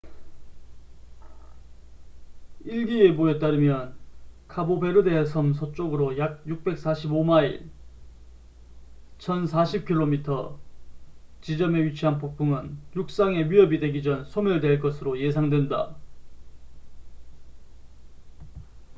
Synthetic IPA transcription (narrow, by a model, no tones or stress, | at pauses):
iɭɡie̞bue̞t͈aɾɯmjʌnkʰabobe̞ɾɯde̞esʰʌmsʰot͡ɕ͈oɡɯɾojak̚juk̚p͈e̞k̚s͈aɕʰibomaḭl | t͡ɕʰʌnsʰaɕʰip̚kʰiɭːomitʰʌ | t͡ɕid͡ʑʌme̞ɥit͡ɕʰiɦanpupʰuŋɯnjuk̚s͈aŋe̞ɥiʌbidwe̞ɡid͡ʑʌnsʰomɯɭdwe̞ɭk͈ʌsʰɯɾoje̞sʰaŋdwe̞nda̰